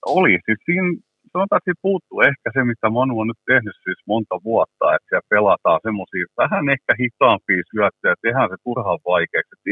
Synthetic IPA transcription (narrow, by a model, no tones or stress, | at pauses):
olisit̪siːn | sɑnot̪ɑːˑet̪sipuːt̪ːuehkæsemit̪æmɑnuonnyt̪t̪ehnyssismont̪ɑʋuɑt̪ːɑ̰et̪siælpelɑt̪ɑːsemːosiːʋæhænehkæhit̪ɑːmpiːsyæt̪ːøːt̪ehænset̪urhɑʋʋɑikeːkset̪